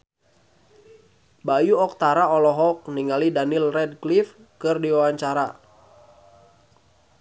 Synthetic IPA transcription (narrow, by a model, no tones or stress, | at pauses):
bajuɔk̚t̪aɾaɔlɔɦɔk̚niŋalidanilrɛd̚klif | kɨrdiwawaɲt͡ʃaɾa